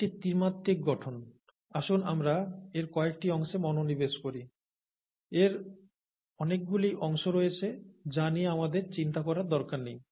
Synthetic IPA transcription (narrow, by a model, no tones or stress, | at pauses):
ʈit̪iɾmat̪ːik̚ɡɔʈʰon | aʃunamɾaeɾkɔek̚ʈiɔŋʃemɔnonibeʃkoɾi | eɾ | ɔnek̚ɡuliʔɔŋʃoɾojet͡ɕʰed͡ʑanijeamad̪eɾt͡ɕint̪akɔɾaɾd̪ɔɾkaɾnej